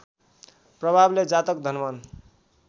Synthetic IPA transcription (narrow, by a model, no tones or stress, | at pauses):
prʌbʱabled͡zat̪ʌk̚d̪ʱʌnmʌn